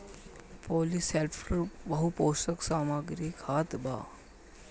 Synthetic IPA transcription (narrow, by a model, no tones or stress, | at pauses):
poːliselpʰɾəɾbɐɦupoːsəksaːmaɡɾikʰaːt̪ba̰ː